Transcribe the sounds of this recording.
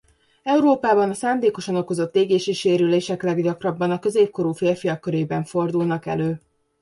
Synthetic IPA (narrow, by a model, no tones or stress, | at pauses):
ɛuɾoːpaːbɒnɒsaːnd̪eːko̞ʃɒno̞ko̞zo̞t̪ːeːɡeːʃiʃeːɾyleːʃɛklɛɡɟɒkrɒbːɒnɒkø̞zeːp̚ko̞ɾuːfeːrfijɒkːøɾeːbɛɱfo̞rd̪ulnɒkɛ̰løː